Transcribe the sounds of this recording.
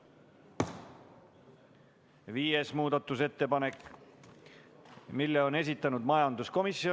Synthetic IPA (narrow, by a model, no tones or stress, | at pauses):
viːesmuːd̪ɑt̪ːˑuse̞t̪ːe̞pɑne̞kː | milːeo̞ne̞s̬ʲit̪ːˑɑnud̪mɑjɑnd̪̥usko̞misio